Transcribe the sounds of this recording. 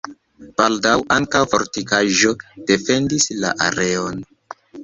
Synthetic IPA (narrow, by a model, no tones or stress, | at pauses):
b̥aldawʔaŋkawfo̞ɾtikaʒo̞d̥e̞fe̞ndisla̰ʔa̰ɾe̞o̞n